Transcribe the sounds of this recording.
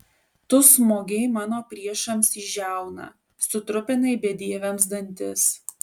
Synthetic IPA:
t̪ʊsmoːɡʲɛɪmɑːnoːpʲɾʲiɛʃɐmsiʒʲæˑʊnɐ̰ | sʊt̪ɾʊpʲɪnɐɪbʲɛd̪ʲiɛʋʲɛms̬d̪ɐnʲt̪ʲɪ̰s

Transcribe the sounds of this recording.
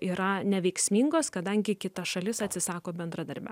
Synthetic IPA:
iːɾɐnʲɛʋʲɛɪksʲmʲiːŋɡoːskɐd̪ɐŋʲɡʲɪkʲɪt̪ɐʃɐlʲɪsɐt̪ʲsʲɪsɑːkoːbʲɛnd̪ɾɐd̪ɐɾʲbʲɛ̰

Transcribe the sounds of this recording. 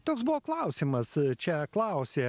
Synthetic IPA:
t̪oːksbʊʋoːklˠɑˑʊsʲɪmɐst͡ʃʲɛklˠɑˑʊsʲeː

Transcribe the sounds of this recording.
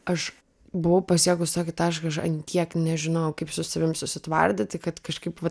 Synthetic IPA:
ɐʃ | bʊʋɐʊpɐsʲjiɛɡʊst̪oːkʲɪt̪ɑːʃkɐʃɐnʲt̪ʲiɛknʲɛʒʲɪnoːjʊkɐɪpsʊsɐʋʲɪmsʊsʲɪt̪ʋɐ̰rʲd̪ʲɪt̪ʲɪkɐt̪kɐʃkɐɪpʋɐ

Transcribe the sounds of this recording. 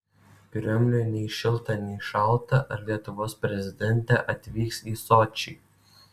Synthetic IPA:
pʲɪɾʲɔmʲlʲʊjnʲɛɪʃʲɪlˠˑt̪ɐnʲɛɪʃɐlˠt̪ɐʔɐɾlʲiɛt̪ʊʋoːspʲɾʲɛzʲɪd̪ʲɛnʲt̪ʲɛʔɐt̪ʲʋʲiːksiːsɔt͡ʃʲiː

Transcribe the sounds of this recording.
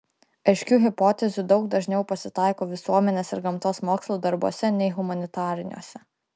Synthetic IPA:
ɐɪʃʲkʲuːɦʲɪpoːt̪ʲɛzʲud̪ɒʊɡ̚d̪ɐʒʲnʲɛʊpɐsʲɪt̪ɑˑɪkoːʋʲɪsuɔmʲɛnʲeːsɪɾɡɐmt̪oːsmoːkslˠuːd̪ɐɾbuɔsʲɛnʲɛɪɦʊmɐnʲɪt̪ɑːɾʲɪnʲṵɔsʲɛ

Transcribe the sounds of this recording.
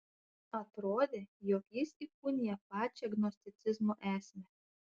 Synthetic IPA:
ɐt̪ɾoːd̪ʲeːjɔkjɪsikʊnʲɪjɛpɑːt͡ʃʲɛɐɡnɔsʲt̪ʲɪt̪sʲɪzmoʔæːsʲmʲɛ

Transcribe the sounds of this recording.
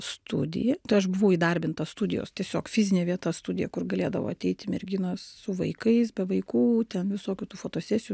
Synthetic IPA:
st̪ʊ̰d̪ʲɪ̰jɛt̪ɐɪɐʃbʊʋɐʊiːd̪ɐɾʲbʲɪnt̪ɐst̪ud̪ʲɪjo̰ːst̪ʲiɛsʲoːkfʲɪzʲɪnʲeːʋʲiɛt̪ɐst̪ud̪ʲɪjɛkʊrɡɐlʲeːd̪ɐʋo̰ːɐt̪ʲɛɪt̪ʲɪmʲɛɾʲɡʲɪnɐssʊʋɐɪkɐɪsbʲɛʋɐɪkuːt̪ʲɛnʋʲɪsoːkʲuːt̪uːfoːt̪oːsʲæːsʲɪju

